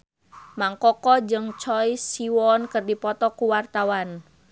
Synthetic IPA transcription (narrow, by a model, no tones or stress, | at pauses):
maŋkɔkɔd͡ʒɨŋt͡ʃɔjsiwɔnkɨrdipɔt̪ɔkuwart̪awan